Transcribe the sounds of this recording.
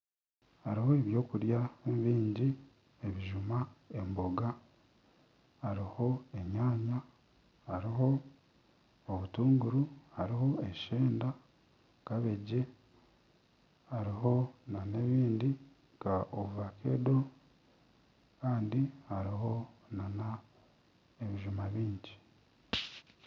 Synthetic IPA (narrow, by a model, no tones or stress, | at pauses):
haɾiho̞eβjo̞ːkuɾjaeβiːɲɟi | eβiʒumae̞mbo̞ɡa | aɾiho̞e̞ɲaːɲa | haɾiɦo̞ | oβutuːŋɡuɾuhaɾiɦo̞eʃeːnda | kaβe̞ɟe̞ | haɾiɦo̞naneβiːndi | ŋkaʔoβuβakḛdo̞ | kaːndihaɾiɦo̞nana | eβiʒumaβiːɲɟi